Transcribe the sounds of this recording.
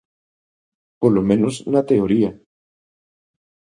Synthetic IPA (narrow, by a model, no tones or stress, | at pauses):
polomẽnoznat̪eoɾia